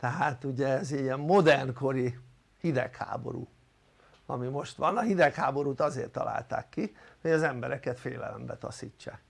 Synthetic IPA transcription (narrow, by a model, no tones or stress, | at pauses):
t̪ɛɦaːt̪uɟɛːziɛmmo̞d̪ɛrnko̞ɾi | hid̪ɛkha̰ːbo̞̰ɾṵː | ɒ̰mimo̞ʃt̪ʋɒnɒɦid̪ɛkhaːbo̞ɾuːt̪ɒzeːrt̪ːɒ̰lʔa̰ːlt̪a̰ːkːihoɟɒzɛmbɛɾɛkɛt̪feːlɛ̰lɛmbɛt̪ɒ̰siːt͡ʃːaːk